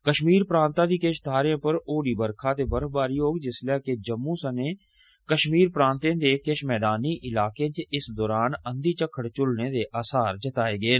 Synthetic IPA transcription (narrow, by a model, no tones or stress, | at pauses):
kəʃmiːɾpɾãːnt̪ãːd̪iːkeʃt̪ʰaːɾjãːpəɾoːɽiːbəɾkʰaːt̪eːbəɾbaːɾjoːɡd͡ʒɪslɛːked͡ʒəmːũːsəneː | kəʃmiːɾpɾãːnt̪ẽːd̪eːkeʃmɛːd̪aːniːʔɪlaːkẽt͡ʃɪsd̪ɔːɾaːnənd̪iːt͡ʃəkʰːəɽt͡ʃʊlneːd̪eːʔaːsaːɾd͡ʒət̪aːeːɡeː